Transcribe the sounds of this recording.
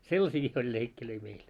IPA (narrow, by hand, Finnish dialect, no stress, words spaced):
selːɑsiːki olʲ leikːiløi meil